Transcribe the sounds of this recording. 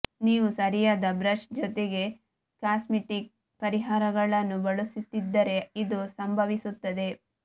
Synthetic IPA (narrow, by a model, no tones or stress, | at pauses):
niːʋusɐɾijaːd̪ɐbɾɐʃd͡ʒɔt̪e̞ɡe̞ | kaːsmiʈik̚ | pɐɾiɦaːɾɐɡɐɭɐnːubɐɭusit̪ːid̪ːɐɾe̞id̪usɐmbʱɐʋisut̪ːɐd̪e̞